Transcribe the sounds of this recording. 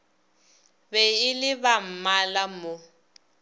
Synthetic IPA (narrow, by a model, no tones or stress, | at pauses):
bɛɪlɪβam̩malamʊ